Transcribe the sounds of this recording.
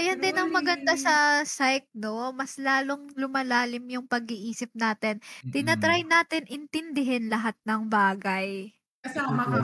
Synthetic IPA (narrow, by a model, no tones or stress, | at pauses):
ɐjɐnd̪ɪnɐŋmɐɡɐnd̪asɐsajk̚no̞mɐslaːlo̞ŋlʊmɐlaːlɪmjʊŋpɐɡɪʔiːsɪp̚naːt̪ɛnt̪ɪnɐt̪ɾajnaːt̪ɛnʔɪnt̪ɪnd̪ɪɦɛnlɐɦat̪̚nɐŋbaːɡɐj | ɐamɐɐ